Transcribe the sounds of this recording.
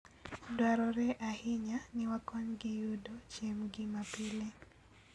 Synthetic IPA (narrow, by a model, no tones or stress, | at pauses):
dwaɾɔɾɛʔahiɲanɪwakɔnɡɪjudot͡ʃemɡimapile